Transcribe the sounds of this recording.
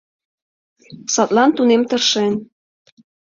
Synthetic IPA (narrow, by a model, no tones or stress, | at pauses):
sɑt̪lɑnt̪unemt̪ərʃen